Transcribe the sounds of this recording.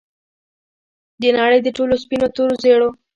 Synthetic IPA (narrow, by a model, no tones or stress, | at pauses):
d̪ənaɽəjd̪əʈolospinot̪oɾozeɽo